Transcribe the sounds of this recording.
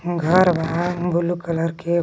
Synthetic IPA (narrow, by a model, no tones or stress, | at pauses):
ɡʱəɾʋəɦãbʱʊlukələɾke